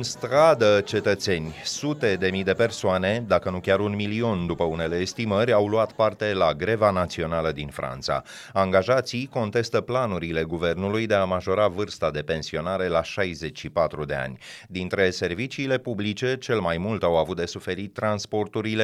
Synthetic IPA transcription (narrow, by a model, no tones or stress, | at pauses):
ɨnst̪ɾad̪ət͡ʃe̞t̪ət̪se̞nʲsut̪e̞d̪e̞mijd̪e̞pe̞rsoane̞d̪akənukʲaɾunmilio̞nd̪upəune̞le̞ːst̪iməɾʲawluat̪part̪e̞laɡɾe̞vanat̪sio̞naləd̪infɾa̰nt̪sa̰ | aŋɡaʒat̪sijko̞nt̪e̞st̪əplanuɾile̞ɡuve̞rnulujd̪e̞amaʒo̞ɾavɨrst̪ad̪e̞pe̞nsio̞naɾe̞laʃajze̞t͡ʃʃipat̪ɾud̪e̞a̰nʲd̪int̪ɾe̞se̞rvit͡ʃiːle̞publit͡ʃe̞t͡ʃe̞lmajmult̪awavut̪̚d̪e̞sufe̞ɾit̪ːɾanspo̞rt̪uɾile